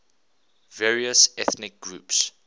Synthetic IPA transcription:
vɛːɹiəsɛθnɪk̚ɡ̥ɹuːps

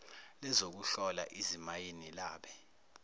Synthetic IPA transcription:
lɛzok̬uɬɔla̰ʔizimajenilaːɓɛ

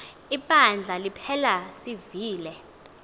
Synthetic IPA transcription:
iɓʼand͡ɮʱalipʰɛlasiviːlɛ

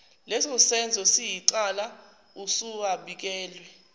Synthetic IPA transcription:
lɛsɔsɛnd͡zʱɔsijiǀala | usuaɓik̬ɛːlwɛ

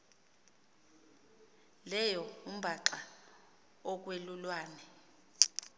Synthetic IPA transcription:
lɛjɔum̩bʱaǁa | ɔk̬ʼwelulwaːnɛ

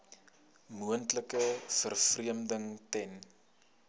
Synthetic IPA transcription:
muəntləkəfərfriəmdəŋtɛn

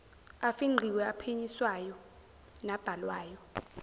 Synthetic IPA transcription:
afiŋ͡ǃʱiwɛapʰeɲiswajɔ | nab̥ʱalwaːjɔ

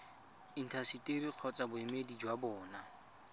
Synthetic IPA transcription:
in̩tʰasitʼeɾiq͡χʰɔt͡sabʊɛmedid͡ʒwabɔːna

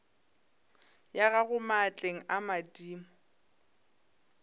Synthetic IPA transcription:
jaɣaɣʊmat͡ɬʼeŋ̩ʔamadiːmʊ

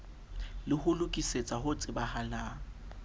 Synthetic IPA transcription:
lɪhʊlʊkʼiset͡sʼaɦʊt͡sʼɪbahala

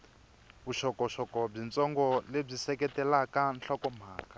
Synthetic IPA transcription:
βuʃɔkɔʃɔkɔb͡ʐint͡sʼɔŋɡɔleb͡ʐisɛkɛtɛlakanɬʰɔkɔm̤aːkʼa

